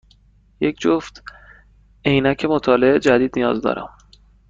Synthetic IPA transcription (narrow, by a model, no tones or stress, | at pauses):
jecʰd͡ʒoft̪ | e̞jnæcʰe̞mot̪ʰɒːleʔed͡ʒæd̪iːd̪nijɒ̰ːzd̪ɒ̰ːɾʔæ̰m